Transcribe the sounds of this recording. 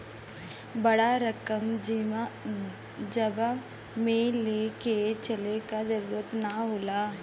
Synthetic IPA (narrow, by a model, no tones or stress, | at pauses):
bɐɽaɾɐkəm | d͡ʒɐba | mẽleːket͡ʃɐlekad͡ʒɐɾuːɾət̪naɦoːlaː